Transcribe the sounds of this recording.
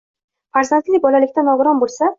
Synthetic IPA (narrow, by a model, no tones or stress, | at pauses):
faɾzant̪lɪbɒlalɪkʲt̪anɒɡʊɾɒnbolˠsa